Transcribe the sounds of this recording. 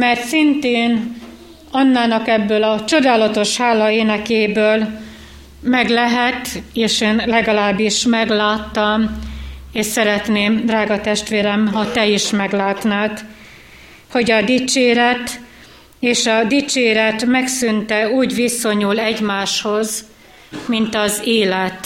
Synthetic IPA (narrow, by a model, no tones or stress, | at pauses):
mɛrt̪sint̪eːn | ɒnːaːnɒkɛbːøːlɒt͡ʃo̞d̪aːlɒt̪o̞ʃhaːlɒeːnɛkeːbøːl | mɛɡlɛɦɛt̪eːʃeːnlɛɡɒlaːbːiʃmɛɡlaːt̪ːɒm | eːʃsɛɾɛt̪neːmd̪raːɡɒt̪ɛʃt̪ʋeːɾɛmɦɒt̪ɛiʃmɛɡlaːt̪naːt̪ | ho̞ɟɒd̪it͡ʃeːɾɛt̪ | eːʃɒd̪it͡ʃeːɾɛt̪mɛksynt̪ɛuːɟʋiso̞ɲulɛɟmaːʃho̞z | mint̪ɒzeːlɛt̪